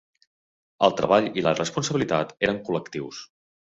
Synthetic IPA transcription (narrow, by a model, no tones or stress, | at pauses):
əlˠt̪ɾə̰βaʎilərəspunsəβilit̪at̪eɾəŋkuləkt̪iws